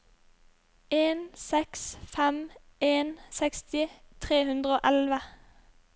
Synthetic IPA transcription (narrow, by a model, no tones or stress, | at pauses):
eːnsɛksfɛm | eːnsɛkst̪ɪ | t̪ʰʁeːhʉnd̪ʁəoːʔɛlʋə